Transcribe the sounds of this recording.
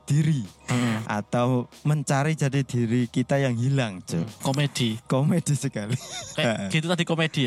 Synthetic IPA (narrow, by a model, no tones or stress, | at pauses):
d̪̥iɾiʔa̰t̪awməɲt͡ʃaɾid͡ʒ̥ä̤did̪̥i̤ɾikit̪ajaŋɦilaŋd͡ʒo̰komed̪̥ikomed̥isəkalikaaɡ̥it̪ut̪ad̪ikomed̥i